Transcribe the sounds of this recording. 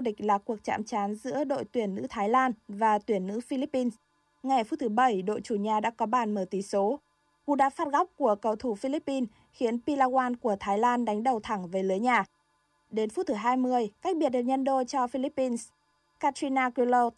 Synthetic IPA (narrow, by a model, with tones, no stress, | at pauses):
ɗï˨˩k̟̚laː˨˩ku˨˩ək̚t͡ɕa̰ː˧˨mt͡ɕaː˨˦nzɨ̰˧˥əɗo̰˧˨jt̪wi˨˧˩ənːɨ̰˧˥t̪ʰaː˨˦jlaː˧nvaː˨˩t̪wi˧˩ənːɨ̰˧˥fi˧li˦˥pːi˧ns | ŋa˨˩jfu˦˥t̚t̪ʰɨ˨˦ɓə˧˩jɗo̰˧˨jt͡ɕu˧˩ɲaː˨˩ɗa̰ː˧˥kɔ˨˦ɓaː˧˩nməː˧˩t̪i˧˩so˨˦ | ku˧˩ɗa̰ː˧˥faː˦˥t̚ɣɔ˦˥wk͡p̚ku˧˩əkə˨˩wt̪ʰu˧˩fi˧li˦˥pːi˧n | xi˨˦ənpi˧laː˧ɣwaː˧nku˧˩ət̪ʰaː˨˦jlaː˧nɗa˨˦ŋ̟ɗə˨˩wt̪ʰa˧˩ŋve˨˩lɨ˨˦jɲaː˨˩ | ɗe˨˦nft̚t̪ʰɨ˨˦ɦaː˧jmɨ˧˩əjkaː˦˥k̟̚ɓi˨˩t̚ɗɨ˨˩k̚ɲə˧nɗo˧t͡ɕɔ˧fi˧li˦˥pːi˧ns | kaː˧t̪i˧naː˧ki˧lo˧